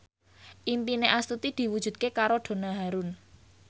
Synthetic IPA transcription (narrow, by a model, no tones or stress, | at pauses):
ʔimpineʔast̪ut̪id̪̥i̤wud̥ʒ̥ṳd̪̚kekaɾoɖ̪̥o̤naɦaɾun